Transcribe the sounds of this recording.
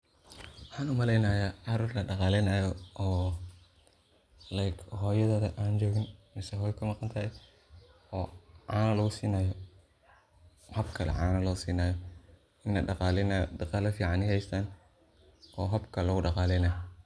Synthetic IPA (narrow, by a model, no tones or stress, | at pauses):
wɑħɑːnʊmɐlɛjnaːjaːʕɑɾuːrlɐɖɑqɑːlɛnaːjɔɔː | lajkʰɦɔːjɐðɐːðɐʔaːnt͡ʃɔːɣɪnmɛsɛɦɔːjkʰɐmɑqɑnt̪ʰaɛ | ɔːʕaːnɐlɐɣʊsiːnaːjɔ | hɐbkʰɐlɛ̰ʕa̰ːnɐlɔːsiːnaːjɔ | ɪnlɐ̰ɖɑqɑːlɛnaj̰d̪ɑqɑːlɐfiːʕɑnɪhɛjst̪ʰaːn | ɔːɦɐbkʰɐlɔɣʊɖɑqɑːlɛjnaːj